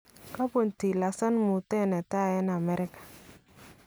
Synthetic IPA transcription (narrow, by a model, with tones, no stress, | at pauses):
ka˦po˨nti˨la˨sa˦nmʊ˨tɛ˦nɛ˨ta˦ɛ˦na˨mɛ˦ɾɪ˦kḁ˨